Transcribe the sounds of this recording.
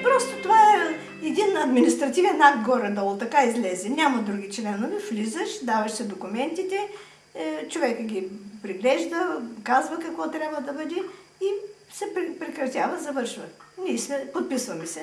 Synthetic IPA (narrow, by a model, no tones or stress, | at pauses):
pɾɔst̪ot̪ovaɛ | ɛd̪inɐd̪minist̪ɾɐt̪ivɛnakɡɔɾɛd̪ɔlˠt̪ɐkaizlɛzɛnʲamɐd̪ɾuɡʲit͡ʃlɛnovɛflizəʃd̪avɐʃsɛd̪okʊmɛnt̪it̪ɛ | t͡ʃovɛkəɡʲipɾiɡlɛʒd̪əkazvɐkɐkvɔt̪ɾʲjabvɐəd̪ɐbɤd̪ʲɛ | isɛpɾɛpɾɛkɾɐt̪ʲavəzɐvɤɾʃvənʲismɛpot̪̚pisvɐmɛsɛ